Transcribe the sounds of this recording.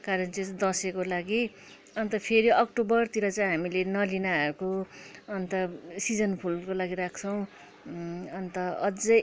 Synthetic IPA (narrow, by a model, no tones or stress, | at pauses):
kaɾʌnt͡sesd̪ʌsekolaɡi | ʌnt̪ʌpʰeɾiʔʌkʈobʌrt̪iɾʌt͡saĩɦamilenʌlinaʌɾukoʌnt̪ʌsid͡zʌnpʰulkolaɡiɾakʰt͡sʰʌw̃ | ʌnt̪ʌʌd͡zʌ